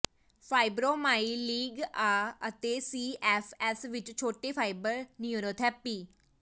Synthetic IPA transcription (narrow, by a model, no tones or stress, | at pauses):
pʰaːɪbɾoːmaːiːliːɡaːət̪eːsiːʔɛːfʰɛːsʋɪt͡ʃt͡ʃʰoːʈeːpʰaːɪbəɾniuɾoːt̪ʰɛːpiː